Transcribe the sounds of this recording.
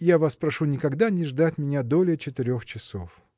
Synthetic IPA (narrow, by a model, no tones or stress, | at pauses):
javaspɾɐʂunʲɪkɐɡd̪anʲɪʐd̪atʲmʲɪnʲad̪o̞lʲɪət͡ɕɪt̪ɪɾʲo̞xt͡ɕɪso̰f